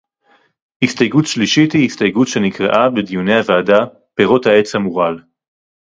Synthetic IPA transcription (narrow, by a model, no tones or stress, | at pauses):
hist̪ajɡutʃliʃithihistajɡutʃe̞nikʁḛʔabed̪ijune̞jhavaːda | peʁo̞thae̞t͡shamuʁal